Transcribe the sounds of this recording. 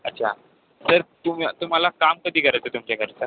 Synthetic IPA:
ətːɕʰa̰ | səɾt̪umat̪um̤alakamkəd̪ʱiːkəɾajt͡sət̪umt͡ɕjakʰəɾt͡sə

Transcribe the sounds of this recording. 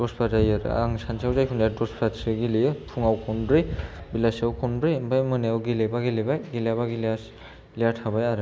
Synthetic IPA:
dɔspʰazajaɾɯ̰a̰ŋsansʰawzajpʰundjatɔspʰɾatsɯɡilijɯpʰuŋawkʰɔnbɾibilasawkʰɔnbɾimbajmɯneawɡilebaɡilibajɡilabaɡilas | lijatʰabajaɾɯ

